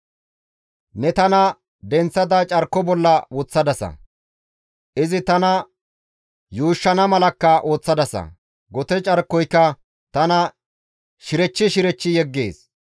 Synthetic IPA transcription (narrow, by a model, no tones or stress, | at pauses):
nɛt̪ɐnɐ | d̪ɛnt͡sːɐd̪at͡ʃʼɐɾkːɔbɔlːɐwɔt͡sːɐd̪ɐsɐ̰ | ʔɪzɪt̪ɐnɐ | juːʃːɐnɐmɐlɐkːɐʔo̞ːt͡sːɐd̪ɐsɐ̰ | ɡɔt̪ɛt͡ʃʼɐɾkːɔjkːɐ | t̪ɐnɐ | ʃɪɾɛt͡ʃːɪʃɪɾɛt͡ʃːɪjɛɡːeːs